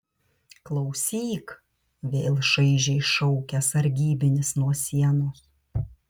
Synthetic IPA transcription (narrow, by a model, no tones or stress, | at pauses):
klˠɒʊsʲiːk | ʋʲeːlˠʃɐɪʒʲɛɪʃɔʊkʲɛɐsɐɾʲɡʲiːbʲɪnʲɪsnuɔsʲiɛnoːs